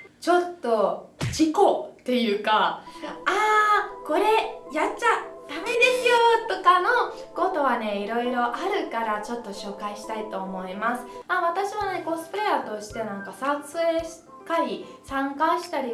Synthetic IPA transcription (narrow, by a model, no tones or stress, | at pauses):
t͡ɕo̞t̪ːo̞d͡ʑiko̞t̪ːe̞jɯ̟ːka | aːko̞ɾe̞jatt͡ɕad̪̥ame̞d̪e̞sɨjo̞t̪o̞kano̞ | ɡo̞t̪o̞βane̞iɾo̞iɾo̞ʔaɾɯ̟kaɾat͡ɕo̞t̪ːo̞ɕo̞ːkaiɕi̥t̪ait̪o̞ːmo̞imasɨ̥aβat̪aɕiβane̞ko̞sɨ̥pɯɾeat̪o̞ɕi̥t̪e̞nãŋkasaseɕi̥ | t̪aɾʲi | sãŋkaɕi̥t̪aɾʲi